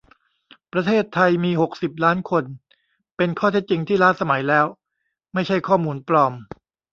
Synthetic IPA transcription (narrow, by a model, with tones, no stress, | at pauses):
pɾa˧t̪ʰeː˥˩t̪ʰːa˧jmiː˧ho˨˩k̚si˨˩p̚laː˦˥nkʰo˧n | pe˧nkʰɔː˥˩t̪ʰe˦˥t̪̚t͡ɕi˧ŋt̪ʰiː˥˩la˦˥t̪̚sa˧ma˩˦jlɛː˦˥w | ma˥˩jt͡ɕʰa˥˩jkʰɔː˥˩muː˧nplɔː˧m